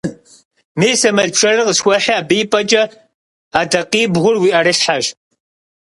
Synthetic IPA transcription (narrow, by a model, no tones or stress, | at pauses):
meːsɐmɐɮpʂʰʼɐrɨqəsxʷɐħiaːbiːpʼɐt͡ʃʼɐ | aːdɐqiːbʁʷʊrwiːʔɐɾɨɕħaʒ